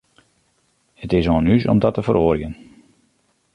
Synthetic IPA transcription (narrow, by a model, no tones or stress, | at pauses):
hətɪsoənysɔ̰mdɔtəfəɾoːɾjən